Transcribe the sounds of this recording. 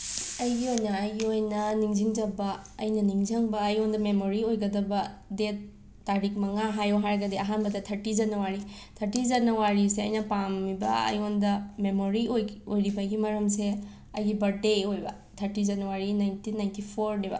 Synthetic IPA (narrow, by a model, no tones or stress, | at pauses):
ɐjɡiojnɐːjɡiojnɐniŋziŋd͡ʒɐbɐɐjnɐniŋzɐŋbɐːjondɐmemoɾiojɡɐdɐbɐdetː | aɾik̚mɐŋaɦajoɦaɾɡɐdeɐɦanbɐdɐtʰɐɾtizɐnɐwaɾi | tʰɐɾtizɐnɐwaɾiseɐjnɐpamːibɐ̰ɐ̰jondɐmemoɾiojojɾibɐɡimɐɾɐmse | ɐjɡibɐɾdeojbɐ̰ | tʰɐɾtizɐnɐwaɾinajntinːajntipʰoɾnebɐ̰